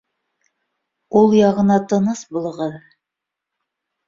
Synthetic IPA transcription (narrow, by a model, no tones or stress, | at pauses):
ulˠjɑʁɤ̆nɑt̪ɤ̆nɤsbolˠɤ̆ʁɤð